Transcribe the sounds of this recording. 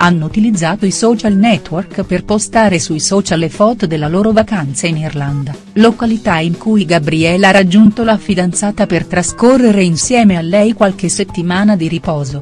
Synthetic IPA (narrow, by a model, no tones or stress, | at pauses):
anːout̪ilid̪zːaːt̪oisɔt͡ʃalnɛt̪ːworkperpost̪aːɾesuijsɔːt͡ʃalefɔːt̪od̪elːaloːɾovakant̪sainirland̪a | lokalit̪aiŋkujɡabɾiɛlaɾad͡ʒːunt̪olafid̪ant̪saːt̪apert̪ɾaskorːeɾeinsjɛːmealːɛjkwalk̟eset̪ːimaːnad̪iɾipɔːzo